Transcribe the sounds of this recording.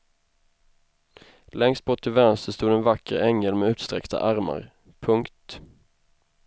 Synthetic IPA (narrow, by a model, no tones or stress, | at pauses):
lɛŋst̪̚bɔt̪ʰːɪlvænst̪əst̪uːd̪ɛnvakːəɾɛŋːəlmɛʉ̟ːt̪st̪ɾɛ̰kt̪a̰ʔaɾma̰ɾ | pʰɵŋkt̪